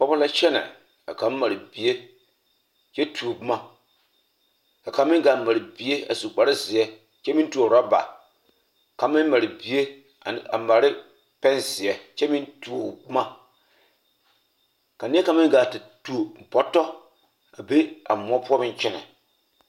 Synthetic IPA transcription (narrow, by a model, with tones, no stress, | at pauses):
k͡pɔ˦ba˦la˦t͡ʃɛ˦nɛ̰˨ | ka˨ka˨˦m˦ma˨ɾɪ˨bi˨e˦ | t͡ʃɛ˦tʰu˨o˨bu˦ma˦ | ka˨ka˨˦mɪ˦ɡa˨ma˨ɾɪ˨bi˨˦e˦a̰˨su˨k͡pa˨ɾɪ˦zɪ˨ɛ˨ | t͡ʃɛ˦mi˦n˦tu˨a˨ɾa˦ba̰˨ | ka˨˦mɪ˦n˦ma˨ɾɪ˨bi˨e˦ | a˨˦a̰˨ma˨ɾɪ˦ | pɛ˦nzɪ˨ɛ˨t͡ʃɛ˦mi˦ntu˨o˨bu˦ma˦ | ka˨ni˦ka˨˦mɪ˦ŋɡa˨ti˨tu˨pɔ˨tːɔ˦ | a˨be˦a̰˨mʷ˦ɔ˦pu˦ɔ˦bɪ˦n˦t͡ʃɛ˦nɛ̰˨